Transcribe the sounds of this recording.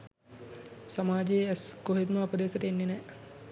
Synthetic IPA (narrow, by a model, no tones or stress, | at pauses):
samaːd͡ʒeɛskoɦed̪məɐpəd̪eːsɐʈəenːenɛ